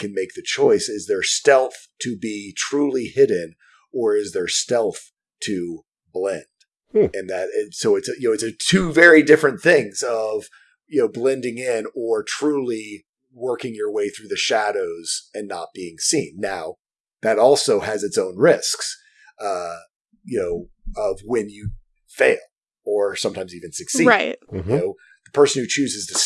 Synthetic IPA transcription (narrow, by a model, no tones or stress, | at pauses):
kʰɨ̃nmeɪk̚ðɨt͡ʃʰɔɪsɪzðə˞stɛlˠθtʰɨbitʰɹ̥ulˠihɪdⁿn̩ | ə˞ɪzðə˞stɛlˠθ | tʰɨ | blɛ̃nd̥̩ | ɨ̃nðɨɾ̚soʊɨtsjɨnoʊɨtsɨtʰʉvɛɹidɪfɹɨ̃nθɪ̃ŋzʌv̥ | jɨnoʊblɛ̃ndɪ̃ŋɪ̃nə˞tʰɹ̥ulˠi | wɜ˞kɪ̃ŋjə˞weɪθɹʉðɨʃæɾoʊz̥ɨ̃nːət̚b̥iɪ̃ŋsĩnːaʊ | ðɨɾɔlˠsoʊɨzɨtsõʊ̃nɹɪsks | ʌ | jɨnoʊ | ʌvwɨ̃njɨ | feɪlˠ | ə˞sʌ̃mtʰãɪ̃mzivɨ̃n̩sɨksiɹaɪt̩̚jɨnoʊ | ðəpʰɜ˞sɨn̩hʉt͡ʃʰʉzɨz̥tɨs